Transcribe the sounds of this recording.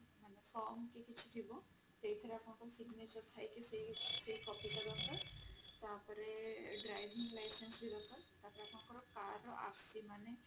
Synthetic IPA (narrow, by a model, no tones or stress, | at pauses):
manefɔmkekit͡ʃʰi̥ʈʰibɔ̃ | t̪ejt̪ʰɔɾeakʰɔɳ̃kɔɾsiɡnet͡ʃəɾt̪ʰajkisesekɔpikaɾɔt̪ɔɾt̪aːpɔɾeɖɾajʋʱiŋɡlajsensbiɾɔkʰɔɾt̪aɦpɔɾeakʰɔɳ̃kɔɾɔkaɾɔʔa̰ksimane